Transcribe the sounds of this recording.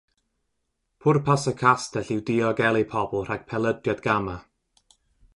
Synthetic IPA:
pʰʊrpʰasəkʰastɛɬɪwdiɔɡɛlˠipʰɔblˠr̥aɡ̥̚pʰɛlˠədjadɡ̥ama

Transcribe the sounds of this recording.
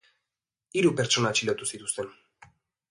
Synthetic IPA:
iɾupe̞ɾt͡ʃo̞nat͡ʃilot̪usit̪u̥st̪e̞n

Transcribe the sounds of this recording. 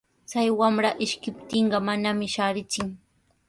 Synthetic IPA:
t͡sajwamɾaʔɪʃkɪp̚t̪ɪɴɢɑmanamɪʃaːɾɪt͡sɪŋ

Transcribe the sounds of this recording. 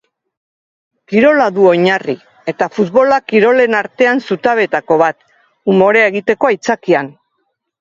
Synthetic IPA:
kiɾo̞laðuo̞ɲari | e̞t̪afut̪βo̞lakiɾo̞le̞naɾt̪e̞ansut̪aβe̞t̪ako̞βat̪ | umo̞ɾeeɣit̪e̞koajt͡sakian

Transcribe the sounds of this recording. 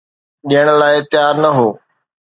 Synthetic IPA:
ɗiəɽ̃laːɪt̪ɪjaːɾnɐɦoː

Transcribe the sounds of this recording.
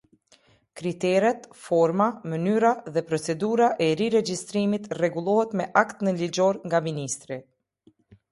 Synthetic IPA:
kɾit̪ɛɾɛt̪fɔɾmamənyɾaðɛpɾɔt͡sɛd̪uɾaʔɛɾiɾɛd͡ʒist̪ɾimit̪rɛɡulˠɔhɛt̪mɛʔakt̪nəlid͡ʒɔɾŋɡaminist̪ɾi

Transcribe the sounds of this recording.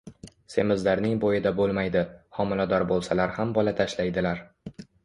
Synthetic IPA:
se̞mɪzlaɾnɪŋbojɪd̪abolˠmajd̪ɪhɒmɪlad̪ɒɾbolˠsalaɾhambɒlat̪ʰaʃlajd̪ɪlaɾ

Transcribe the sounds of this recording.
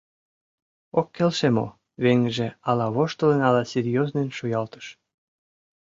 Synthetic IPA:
okːelʃemo̰ | βeŋʒĕɑlɑβoʃt̪ŏlenɑlɑserjoznenʃujɑlt̪ə̥ʃ

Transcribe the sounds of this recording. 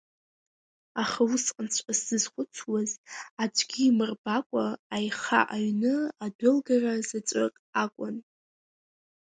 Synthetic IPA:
aχawusqʼənt͡sʷʰʼasɨzχʷʊt͡sʷʰwazad͡ʒʷʼɡʲiːmɨrbakʷʼaajχa̰ʔaɥnɨadʊlɡarazat͡ʃʷʼɪ̰qʼakʷʼʊn

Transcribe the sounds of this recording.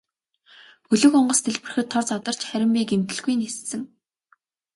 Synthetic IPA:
xɵɮɵ̆xɔɴɢɞ̆st̪ʰeɮpɘ̆rɘ̆xɘ̆t̪ʰːɔrt͡sɔt̪ə̆r̥t͡ɕχæɾʲɪ̆mpiːkemt̪ɘ̆ɮɣujnest̪sɘ̆ŋ

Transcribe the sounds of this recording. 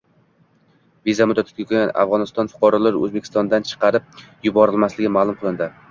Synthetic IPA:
vizamʊd̪at̪ʰɪɡʲakʰʲojana̰fʁɒnɪst̪ɒnfʊ̥qʰɑɾɒlaɾɵ̰zbekʰʲɪ̥st̪ɒnd̪ant͡ʃʰɨ̥qʰɑɾɪp̚jʊbɒɾɪlmaslɪɡʲɪmaːlˠʊmqʰɨlˠɪnd̪ɪ

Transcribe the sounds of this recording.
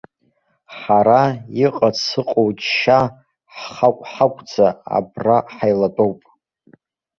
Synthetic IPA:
ħaɾaiqʼat͡sʰɨqʼowt͡ʃʃa | ħχakʷʼħakʷʰʼd͡zaa̰braħajlatʼowpʼ

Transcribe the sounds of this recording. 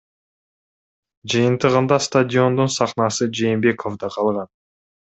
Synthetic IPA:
d͡ʒɯjənt̪əʁənd̪ɑst̪adʲɪo̞nd̪unsɑχnɑsɨd͡ʒe̞jːmbe̞kʰo̞vd̪ɑqʰɑlˠʁɑn

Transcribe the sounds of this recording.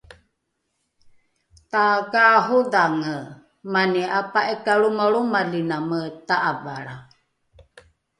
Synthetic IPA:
t̪akaɦuðaŋə | manɛapaʔɛkaɺumaɺumalinamət̪aʔavaɺa

